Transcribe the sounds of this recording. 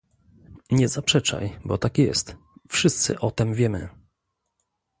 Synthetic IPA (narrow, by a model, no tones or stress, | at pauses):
ɲɛzapʂɛt͡ʂa̰jbɔt̪akjɛ̰st̪ | fʂɘst̪sɘ̰ʔɔt̪ɛmvʲjɛmɘ̰